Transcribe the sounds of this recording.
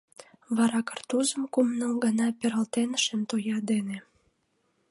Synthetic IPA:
βɑɾɑkərt̪uzəmkumnəmɡənɑpeɾəlt̪enəʃemt̪ojɑd̪ene

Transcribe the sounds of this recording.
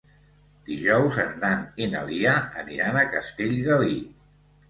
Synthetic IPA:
d̪̥iʒɔwzənd̪anenə̰liaə̰niɾanəkəst̪eʎɣəli

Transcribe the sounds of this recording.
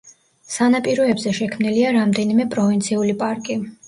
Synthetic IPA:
sanapʼiɾɔɛbzɛʃɛkʰmniliaɾamd̪ɛnimɛpʼɾɔvint̪sʰiulipʼaɾkʼi

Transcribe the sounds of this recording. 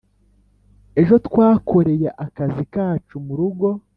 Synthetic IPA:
e̞ʒo̞tkwaːko̞ɾe̞jeʔakazikaːt͡ʃumuɾuɡo̞

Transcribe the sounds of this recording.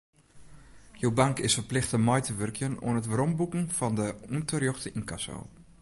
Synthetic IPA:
jowbaŋkɪsfərplɪxtəmɔjtʰəʋørkʰjənṵənətʋərombukn̩fɔndəuntərjoxtəinkʰaso̰ː

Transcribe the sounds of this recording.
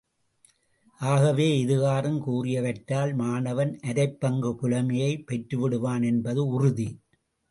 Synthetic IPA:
ʔaːɣɐʋeːɪðɯɣaːrɯmkuːrɪjɐʋɐʈːaːlmaːnɐʋɐnʔɐɾɐɪpːɐŋɡɯpʊlɐmɐjɐɪpːɛʈɾɯʋɪɽɯʋaːnɛnbɐðɯʊrʊði

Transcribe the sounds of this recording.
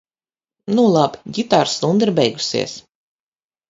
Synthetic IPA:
nulˠabi̥ɡʲit̪aːɾslˠund̪iɾbɛjɡu̥sḭɛs

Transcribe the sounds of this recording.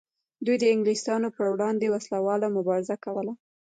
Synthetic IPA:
d̪ujd̪əɪŋɡlist̪ɑnopəɾwɽɑnd̪ewaslawɑlamʊbɑɾɪzakawəla

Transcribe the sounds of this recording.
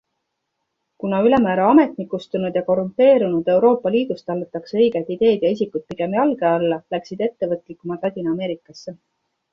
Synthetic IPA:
kunɑyle̞mæːɾɑɑme̞t̪nikːˑust̪unud̪jɑko̞ɾumpe̞ːɾunud̪̥e̞wɾo̞ːpːˑɑliːd̪̥ust̪ɑlːet̪ːˑɑksɤ̞jɡ̥et̪id̪̥e̞ːd̪̥jɑisikut̪̚piɡe̞mjɑlɡe̞ɑlːɑlæksid̪e̞t̪ːe̞vɤt̪ˑlikːˑumɑt̪lɑd̪̥ʲinɑme̞ːɾikːˑɑsːe̞

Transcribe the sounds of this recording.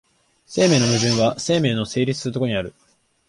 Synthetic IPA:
se̞ːme̞ːno̞mɯ̟ʑɨ̃ɰ̃βase̞ːme̞ːno̞se̞ːɾʲit͡sɨ̥sɨɾɯ̟t̪okoɲ̟iaɾɯ̟

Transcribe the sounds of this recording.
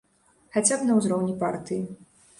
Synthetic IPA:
xat͡sʲabnɐwzɾɔwnʲipart̪ɨji

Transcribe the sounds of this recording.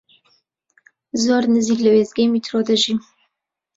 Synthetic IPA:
zoːɾnɨziːklɐweːzɡejmit̪ʰɾod̪əʒi

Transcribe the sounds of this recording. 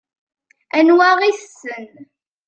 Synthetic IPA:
ænwæʁis | ən

